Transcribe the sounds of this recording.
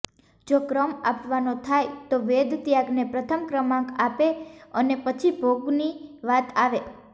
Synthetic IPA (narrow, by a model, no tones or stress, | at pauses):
d͡ʒokɾəmapʋanot̪ʰajt̪oʋed̪t̪jaɡnepɾət̪ʰəmkɾəmãkapeənepət͡ʃʰibʱoɡniʋat̪aʋe